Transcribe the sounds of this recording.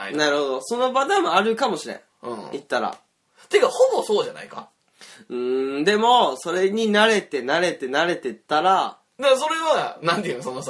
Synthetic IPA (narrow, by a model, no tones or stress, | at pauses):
naɾɯ̟ho̞d̪oso̞no̞bad̪amoaɾɯ̟kamo̞ɕiɾḛ̃ | ɯ̰̃it̪ːaɾa̰ | t̪ekahobosoːd͡ʑana̰ika̰ | ɯ̟̃ːd̪e̞mo̞so̞ɾe̞ɲ̟inaɾe̞t̪e̞naɾe̞t̪e̞naɾe̞t̪e̞t̪ːaɾa | d̪as̬o̞ɾe̞βanãnt̪eɯ̟nosonos